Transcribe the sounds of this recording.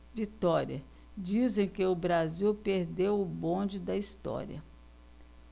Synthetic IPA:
vit̪ɔɾiɐ | d͡ʒizẽj̃kɪʊbɾaziwpeɾd̪ewʊbõd͡ʒɪd̪ɐist̪ɔ̰ɾḭɐ̰

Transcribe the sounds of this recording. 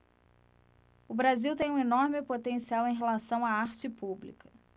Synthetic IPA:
ʊbɾaziwt̪ẽj̃ũenɔɾmɪpot̪ẽsiawẽj̃ɦelasɐ̃w̃aaɾt͡ʃɪpublḭkɐ

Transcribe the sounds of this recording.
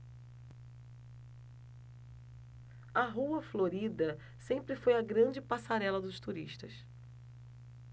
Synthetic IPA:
ɐɦuɐfloɾid̪ɐ | sẽmpɾɪfojɐɡɾɐ̃d͡ʒɪpasaɾɛlɐd̪ʊʃt̪uɾiʃt̪ɐ̰s

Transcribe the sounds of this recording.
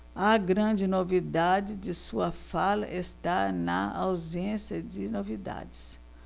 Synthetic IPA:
ɐɡɾɐ̃d͡ʒɪnovid̪ad͡ʒɪd͡ʒɪsuɐfalɐ̰ʔest̪anɐa̰wzẽsjɐd͡ʒɪnovid̪a̰d͡ʒɪs

